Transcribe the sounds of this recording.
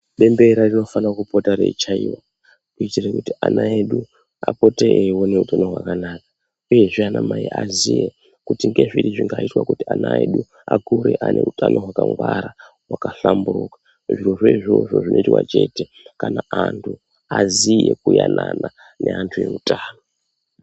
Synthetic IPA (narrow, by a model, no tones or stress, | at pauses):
ɓe̞mbe̞ɾarino̞fanakupotaɾe̞̰it͡ʃaiwa | kuitirekutianaeɗu | apo̞teʔewo̞ne̞utano̞ɦwakanaːkḁ | uje̞ʐianamaiazije | kutiŋɡe̞ʐiɾiʐiŋɡaitwakutianaeɗu | akuɾe̞ʔanʔe̞utʰanʔo̞ɦwakaŋɡwaɾa | ɦwakaɬamburuːkḁ | ʐiroʐeiʐoʐoʐinʔo̞itwa̰t͡ʃe̞ːte | kanaantʰu | azije̞kujanana | ne̞antʰuje̞utaːno